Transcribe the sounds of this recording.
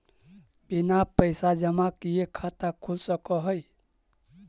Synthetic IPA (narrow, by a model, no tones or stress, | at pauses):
binapəɪsad͡ʒəmakijekʰat̪akʰulsəkɔɦəj